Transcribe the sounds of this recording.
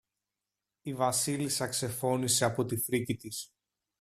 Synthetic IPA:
ivɐsilisɐkse̞fo̞nise̞ɐpo̞t̪ifɾicit̪is

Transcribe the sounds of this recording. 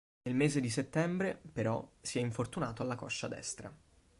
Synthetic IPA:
nelmeːzed̪iset̪ːɛmbɾepeɾɔ̰siɛiɱfort̪unaːt̪oalːakɔʃːa̰d̪ɛ̰st̪ɾa̰

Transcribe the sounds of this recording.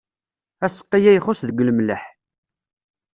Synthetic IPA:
æsə̥qːijæjχʊsðəɡləmləħ

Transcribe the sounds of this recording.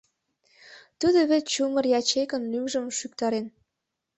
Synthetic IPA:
t̪ud̪oβett͡ɕumərjɑt͡ɕekə̆nlymʒəmʃyk̚t̪ɑɾen

